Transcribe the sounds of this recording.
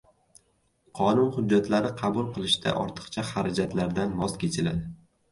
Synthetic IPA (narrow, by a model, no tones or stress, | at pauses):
qʰɒnʊnhʊd͡ʒːat̪laɾɪqʰɑbʊlˠqʰɨlˠɪʃd̪ʰa̰ʔɒ̰ɾt̪ʰɨ̥qt͡ʃʰaχaɾad͡ʒat̪ʰlaɾd̪anmɒzkʲʰe̞t͡ʃʰɪlad̪ɪ